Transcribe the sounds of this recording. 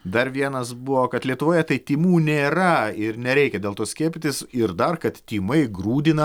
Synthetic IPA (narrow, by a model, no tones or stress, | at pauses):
d̪ɐɾʋʲiɛnɐsbʊʋoːkɐt̪lʲiɛt̪ʊʋoːjɛt̪ɐɪt̪ʲiːmuːnʲeːɾɐɪɾnʲɛɾʲɛɪkʲɛdʲeːlˠt̪oːsʲkʲiɛpʲɪt̪ʲɪsɪɾd̪ɐrkɐt̪t̪ʲiːmɐɪɡɾuːd̪ʲɪnɐ